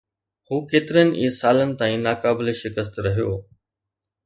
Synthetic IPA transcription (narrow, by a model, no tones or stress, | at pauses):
huːkeːt̪ɪɾijənɪ̆ʔiːsaːlənɪ̆t̪aːĩnaːkaːbɪleʃɪkəs̬t̪ɾɐɦijoː